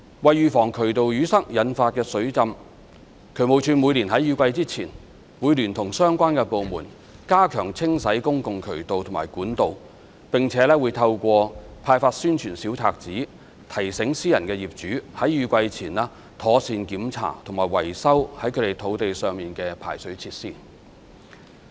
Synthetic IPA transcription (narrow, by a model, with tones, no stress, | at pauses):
wɐ˨jjyː˨˧fɔː˨˩ŋkʰɵ˨˩ɥt̪o˨wjyː˨˥sɐ˥k̚jɐ˨˥nfaː˧t̚kɛː˧sɵ˨˥ɥt͡sɐ˧m | kʰɵ˨˧˥ɥmo˨˧wt͡ʃʰyː˧nmu˨˧jliː˨˩nhɐ˨˥jyː˨˧kʷɐ˧jt͡siː˥t͡sʰiː˨˩n | muː˨˧jliː˨˩nt̪ʰʊ˨˩ŋsœː˥ŋkʷaː˥nkɛː˧po˨˧wmuː˨˩n | kaː˥kʰœː˨˩ŋt͡sʰɪ˥ŋsɐ˨˥jkʊ˥ŋkʊ˨ŋkʰɵ˨˩ɥt̪o˨wt̪ʰmaː˨˩jkuː˨˥nt̪o˨˧w | pɪ˨ŋt͡sʰɛː˨˥lɛː˥wuː˨˧jt̪ʰɐ˧wkʷɔː˧pʰaː˧jfaː˧t̚syː˥nt͡ʃʰyː˨˩nsi˨˥wt͡sʰaː˨k̚t͡siː˨˥ | t̪ʰɐ˨˩jsɪ˨˥ŋsiː˥jɐ˨˩nkɛː˧jiː˨p̚t͡ʃyː˨˥hɐ˨˥jjyː˨˧kʷɐ˧jt͡sʰiː˨˩nlɛː˥ | t̪ʰɔː˨˥siː˨˧nkiː˨˥mt͡sʰa̰ː˨˩t̪ʰʊ˨˩ŋmaː˨˩jwɐ˨˩jsɐ˥whɐ˨˥jkʰɵ˨˧t̪e˨jt̪ʰo˨˥wt̪e˨jsœː˨ŋmiː˨nkɛː˧pʰa̰ː˨˩jsɵ˨˥ɥt͡sʰiː˧t̚siː˥